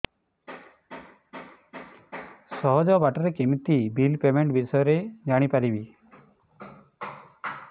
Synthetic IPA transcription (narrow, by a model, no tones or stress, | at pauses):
sɔɦɔd͡ʒɔbaʈɔɾekimit̪ibilpemeɳʈbisɔjɔɾed͡ʒaɽ̃ipaɾibi